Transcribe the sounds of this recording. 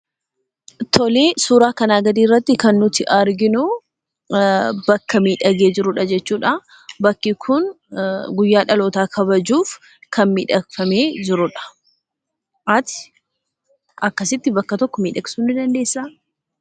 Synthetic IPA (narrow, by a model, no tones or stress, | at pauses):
t̪ʰɔleːsuːɾaːkɐnaːɡɐd̪iːrːɐt̪ːɪkɐnːʊt̪ɪʔɐɾɡɪnʊ | bɐkːɐmiːᶑɐɡeːd͡ʒɪɾʊᶑɐd͡ʒɛt͡ʃːuːᶑa | bɐkːɪkʰʊn | ɡʊjːaːᶑɐloːt̪aːkʰɐβɐd͡ʒuːf | kʰɐnmiːᶑɐfɐme̞ːd͡ʒɪɾʊᶑɐ̥ | ʔɐt̪ɪ̥ | ʔɐkːɐsɪt̪ːɪbɐkːɐt̪ɔkːɔmiːᶑɐɡsuːnɪd̪ɐnd̪e̞ːsːaː